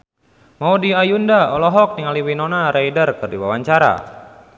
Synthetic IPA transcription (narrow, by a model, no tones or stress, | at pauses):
maudiajundaɔlɔɦɔk̚niŋaliwinɔnaɾaidərkɨrdiwa̰waɲt͡ʃaɾa̰